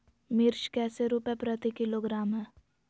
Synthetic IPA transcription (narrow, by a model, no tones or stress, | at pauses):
mɪɾʃkɛːseɾuːpɛpɾət̪ikɪloːɡɾaːmɦɛː